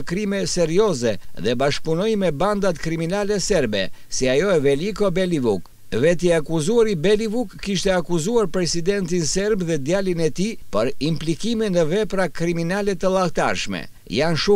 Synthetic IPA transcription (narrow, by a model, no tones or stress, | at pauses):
kɾimɛsɛɾiɔzɛðɛbaʃ̚punɔjmɛband̪at̪kɾiminalɛsɛɾbɛ̰siajɔɛvɛlikɔbɛlivuk | vɛt̪̬iakuzuaɾibɛlivukːiʃt̪ɛakuzuaɾpɾɛsid̪ɛnt̪̬insɛɾbðɛd̪jalinɛt̪ipəɾimplikiminəvɛpɾakɾiminalɛt̪əlˠaht̪a̰ɾʃmɛ̰ | janʃu